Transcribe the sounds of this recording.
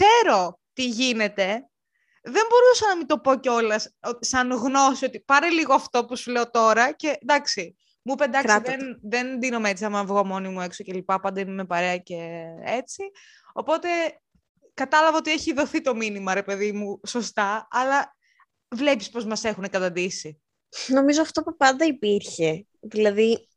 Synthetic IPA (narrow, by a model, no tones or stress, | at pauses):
se̞ɾo̞ | t̪iʝine̞t̪e̞ | ðe̞mbo̞ɾusɐnɐmit̪o̞po̞ceo̞lɐsot̪isɐnɣno̞sio̞t̪ipɐɾeliɣoɐft̪o̞pusuleo̞t̪o̞ɾɐce̞d̪ɐksi | mupend̪ɐksiðennðe̞nd̪ino̞mee̞t͡siɐmɐvɣomo̞nimue̞ksoce̞lipɐpɐnd̪ɐnmepɐɾe̞ɐce̞e̞t͡si | o̞po̞t̪e̞ | kɐt̪ɐlɐvɐot̪ie̞çiðo̞θit̪o̞minimɐɾe̞pe̞ðimuso̞st̪ɐɐːlɐ | vle̞pispo̞zmɐse̞xune̞kɐt̪ɐd̪isi | no̞mizoɐft̪o̞pupɐnd̪ɐipiɾçe | ðilɐði